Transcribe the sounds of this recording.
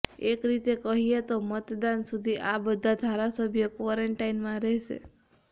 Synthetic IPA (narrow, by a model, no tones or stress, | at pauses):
ekɾit̪ekəɦiet̪omət̪d̪ansud̪ʱiʔabəd̪ʱad̪ʱaɾasəbʱjəkʋaɾeɳʈainmãɾɛɦʃḛ